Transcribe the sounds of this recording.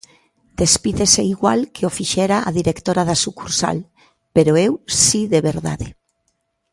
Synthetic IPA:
d̪̥espiðeseiɣwalkʰeofiʃɛɾaʔa̰ðiɾekt̪oɾaðasukuɾsa̰l | peɾoewsiðeβeɾða̰ðe

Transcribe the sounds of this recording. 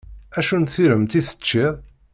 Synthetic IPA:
æʃunθiɾəmt̪iθə̥t͡ʃːi

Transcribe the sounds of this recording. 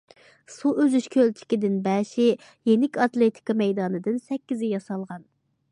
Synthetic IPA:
suøzyʃkʲʰølt͡ʃʰi̥kʲid̪ɪnbɛʃɪ | jeŋɪkʲɑt̪lˠet̪ʰɪ̥kɑmɛjd̪ɑːnɨd̪ɨnsɛkʲːizɪjɑsɑlˠʁɑn

